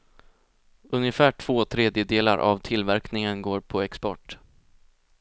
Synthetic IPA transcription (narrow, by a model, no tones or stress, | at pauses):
ɵnjəfæːʈʰv̥oːt̪ʰɾeːd̪jəd̪eːla̰ɾʔa̰vt̪ʰɪlvæɾknɪŋənɡoːɾpʰɔɛkspɔʈː